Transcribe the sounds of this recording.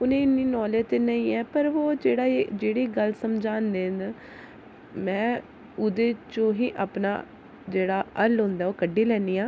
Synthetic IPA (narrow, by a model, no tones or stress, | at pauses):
ʊnẽːɪnːiːnɔːleːt̪eːnəĩːɛːpəɾʋoːd͡ʒeːɽaːed͡ʒeːɽiːɡəlsəmd͡ʒaːnd̪eːn | mɛ̃ː | ʊd̪eːt͡ʃõːɦiːʔaːpna̰ː | d͡ʒeːɽaːəlɦõːnd̪aːoːkəɖːiːlɛːniːãː